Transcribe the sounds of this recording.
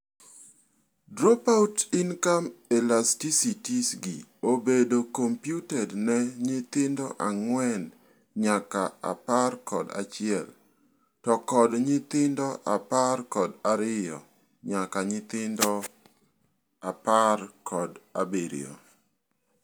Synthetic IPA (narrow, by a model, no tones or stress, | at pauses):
dɾopautinkamɛlastisitisɡiobedokompjutɛdnɛɲɪt̪ɪndɔʔaŋwɛn | ɲakaa̰parkɔ̰da̰t͡ʃɪɛl | tɔkɔdɲɪt̪ɪndɔʔaparkɔdaɾɪjɔ̰ | ɲakaɲɪt̪ɪndɔ | aparkʰɔda̰beɾḭɔ̰